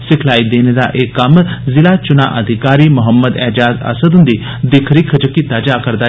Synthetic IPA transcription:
sɪkʰlaːid̪eːned̪a̰ʔekːɐmzɪlaːt͡ʃʊna̰ʔəd̪ʱɪkaːɾiːmʊɦəmːəd̪ɛːd͡ʒaːzə̰səd̪ʊnd̪i | d̪ɪkʰɾikʰəd͡ʒəkit̪aːd͡ʒaːkəɾd̪aː

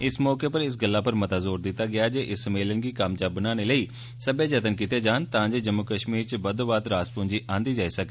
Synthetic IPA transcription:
ɪsmɔːkeːpəɾɪs̬ɡəlːaːpəɾmət̪aːzoːɾd̪ɪt̪ːaːɡɪaːd͡ʒeːʔɪsːəmeːlənɡiːkamd͡ʒaːbənaːneːləiː | səbeːd͡ʒət̪ənkɪt̪eːd͡ʒaːnt̪ãːd͡ʒeːd͡ʒəmːʊkəʃmiːɾt͡ʃəbəd̪oːbaːd̪ɾaːspʊ̃ːɲd͡ʒiːʔãːnd̪iːd͡ʒaːiːsək̪

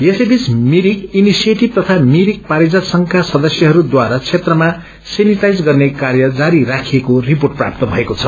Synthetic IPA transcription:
jesebismiɾikinisijeʈib̚t̪ʌt̪ʰamiɾik̚paɾid͡zasʌŋkʰasʌd̪ʌsjʌɦʌɾud̪waɾat͡sʰet̪rʌma | seniʈajd͡zɡʌrnekarjʌd͡zaɾirakʰiekoriporʈ̚pra̰p̚t̪ʌbʱʌekot͡sʰʌ

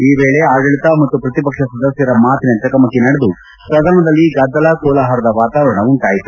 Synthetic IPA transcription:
iːʋeːɭeaːɡɐɭit̪ɐmɐt̪ːupɾɐt̪ipɐkʂɐsɐd̪ɐsjɐɾɐmaːt̪inɐt͡ʃɐkɐmɐkːinɐɽed̪u | pɾɐɡ̪ɐɾmɐd̪ɐlːiɡɐd̪ːɐlakɔːlaːɦaɾɐd̪ɐʋaːt̪aːʋɐɾɐɳɐuɳʈaːjit̪u̥

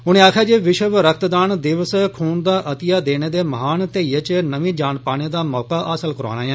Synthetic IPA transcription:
ɦʊñẽːaːkʰjaːd͡ʒeːʋɪʃəʋɾəkʰt̪d̪aːnd̪ɪʋəskʰuːnd̪aːʔət̪ɪjaːd̪eːneːd̪eːməɦaːnt̪eːiːət͡ʃnəʋĩːd͡ʒaːnpaːñeːd̪aːmɔːkaːʔaːsəlkəɾo̰ːnaːɛ̃ː

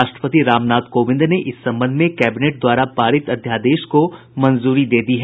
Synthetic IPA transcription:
aːʃʈɾəpət̪iɾaːmnaːt̪koːʋɪ̃nd̪ʱneʔɪsːɐ̃mbə̃nd̪ʱmẽkɛːbɪneːʈ̚d̪waːɾapaːɾɪt̪ɐd̪ʱjaːd̪eːʃko | mɐnzuːɾid̪eːd̪iɦɛ

